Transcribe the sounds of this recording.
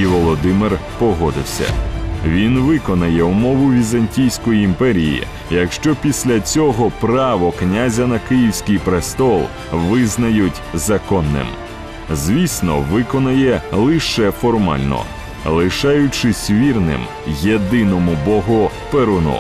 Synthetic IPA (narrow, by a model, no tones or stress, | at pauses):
iʋɔlˠɔd̪ɪmɪrpɔɦɔd̪ɪ̰wsʲɐ̰ʋʲinʋɪkɔnɐjɛʊmɔʋʊʋʲizɐnʲtʲijsʲkɔjiːmpɛɾʲijḭ | jɐkʃt͡ʃɔpʲisʲlʲɐt͡sʲɔɦɔpɾɑʋɔknʲazʲɐnɐkɪjiwsʲkʲɪjpɾest̪ɔlˠ | ʋɪznɐjʊtʲzɐkɔnːɪ̰m | zʋʲisʲnɔ̰ʋɪkɔnɐjɛlˠɪʃɛfɔrmɑ̰lʲnɔ̰ | lˠɪʃɑjʊt͡ʃɪsʲʋʲirnɪ̰m | jed̪ɪnɔmʊbɔɦʊ | peɾʊnɔ̰